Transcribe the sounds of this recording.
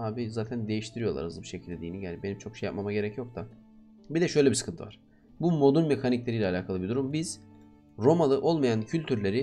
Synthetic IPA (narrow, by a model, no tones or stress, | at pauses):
aːbizaːt̪ʰænd̪e̞jiʃt̪ʰiɾijo̞lˠa̰ɾa̰zbiʃe̞cʰilʲd̪ʲed̪iːniɟælʲibe̞nimt͡ʃʰo̞kʃeja̰p̚mamaɟe̞ɾɛcjo̞k̚t̪ʰa | bid̪ɛʃø̞jlʲebiskʰɯnt̪ʰɯ̰vaɾ̥ | bumo̞d̪unme̞caniclʲe̞ɾijlʲɛalʲaːkʰalˠɯbid̪uɾumbiz̥ | ɾo̞malˠɯʔo̞lˠmajancʰylʲt̪ʰyɾlʲe̞ɾɪ